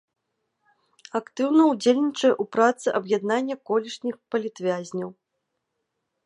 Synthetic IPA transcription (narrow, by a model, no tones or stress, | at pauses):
ɐkt̪ɨwnɐud͡zʲelʲnʲit͡ʂɐjɛʔupɾat̪sɨʔɐbjad̪nanʲːɐkɔlʲiʂnʲixpɐlʲit̪vʲazʲnʲɐw